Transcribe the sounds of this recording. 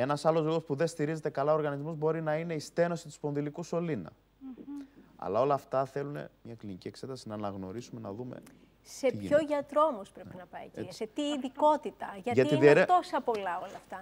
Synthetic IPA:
e̞nɐsɐlo̞zliɣo̞spuðest̪iɾize̞t̪e̞kɐlɐoɾɣɐnizmozbo̞ɾinɐine̞ist̪e̞no̞sit̪uspo̞nðilikuso̞linɐ̰ | ɐ̰lɐo̞lɐːft̪ɐθe̞lune̞̰mɲɐklinicie̞kse̞t̪ɐsinɐːnɐɣno̞̰ɾisume̞nɐðume̞̰ | se̞çoʝɐt̪ɾo̞omospɾeinɐpɐiset̪iːðiko̞t̪it̪ɐʝɐʝɐt̪iðieɾt̪o̞sɐpo̞lɐolɐft̪ɐ

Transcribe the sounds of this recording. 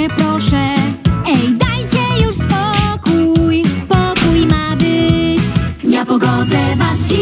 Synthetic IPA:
pɾɔʂɛɛjd̪ajt͡ɕɛjuʂspɔkujpɔkujmabɪt͡ɕɲapɔɡɔd̪zɛvast͡ɕi

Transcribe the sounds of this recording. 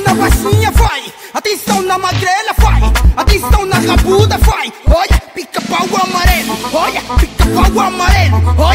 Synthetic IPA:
nɐbasĩɲɐfaj | at̪ẽsɐ̃w̃nɐmaɡɾelɐfajat̪ẽsɐ̃w̃nɐɣabud̪ɐfajɔʎɐpikɐpɾaɡamaɾelʊɔʎɐpikɐpɾaɡʊamaɾelʊɔ

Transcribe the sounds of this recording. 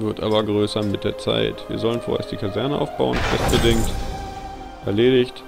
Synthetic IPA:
vɪɐtʔaːbɐɡʁøːsɐmɪt̚d̥eːɐt͡sa̰ɪtv̥iːɐzɔlənfoːʔḛːɐstd̥iːkʰazɛɐnəʔa̰ʊfb̥a̰ʊənfv̥ɛ̰st̚b̥ədɪŋkt | ʔɛɐleːɾɪçt

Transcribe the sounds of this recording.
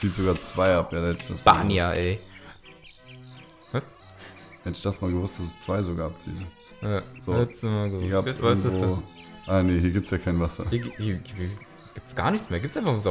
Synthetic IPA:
t͡siːtz̥oɡaːɐt͡sv̥aɪʔapjaːdahɛtɪ̥çd̥asb̥a̰ːnjaʔɛ | vas | hɛtɪçd̥asmaːlɡəvʊst̚d̥as̬ɛst͡sv̥aɪzoɡaːap̚t͡siːt | jaz̥oːɛtsnɔmaɡəvʊsɐɡaːvasdʔaneːɦiɐɡiːptsjaːkʰaɪnvasɐiɐhiːɐviːɐ | ɡ̥iːp̚tsɡ̥aːɐnɪçt͡smeːɐɡiːptt͡sʔaɪnfaχzo

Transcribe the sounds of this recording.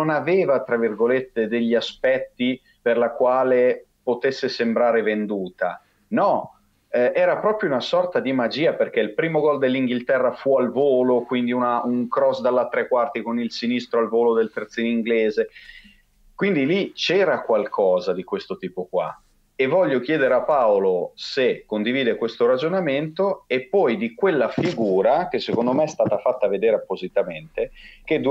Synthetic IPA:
nonaveːvat̪ɾavːirɡolet̪ːed̪eʎːiaspɛt̪ːi | perlakwaːle | pot̪esːesembɾaːɾevend̪uːt̪a̰ | nɔ | ɛʔɛːɾapɾɔːpɾjounasɔrt̪ad̪imad͡ʒiːaperkeilpɾiːmoɡɔld̪elːiŋɡilt̪ɛrːafualvoːlokwind̪iunauŋkɾɔsd̪alːat̪ːɾekːwart̪ikonilsinist̪ɾoalvoːlod̪elt̪ert̪siniŋɡleːze | kwind̪ilit͡ʃɛːɾakwalkʰɔːzad̪ikwest̪ot̪iːpokwa̰ | evːɔʎːok̟jɛːd̪eɾeapːaolosekːond̪iviːd̪ekwest̪oɾad͡ʒonament̪oepːɔjd̪ikwelːafiɡuːɾak̟esːekond̪omeɛst̪aːt̪afat̪ːaved̪eːɾeapːozit̪ament̪ek̟ed̪

